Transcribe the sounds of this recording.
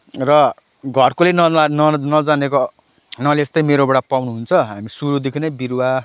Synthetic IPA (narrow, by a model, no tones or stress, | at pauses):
rʌ | ɡʱʌrkolenʌnʌnʌd͡zaneko | nʌleest̪ʌjmeɾobʌɽapawnuɦunt͡sʰʌɦamisuɾud̪ekʰinʌjbiɾwa